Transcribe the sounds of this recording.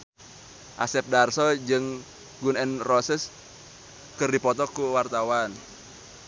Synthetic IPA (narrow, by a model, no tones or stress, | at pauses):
ʔasɛp̚darsɔd͡ʒɨŋ | ɡunɛnrɔsɛs | kɨrdipɔt̪ɔkuwart̪awan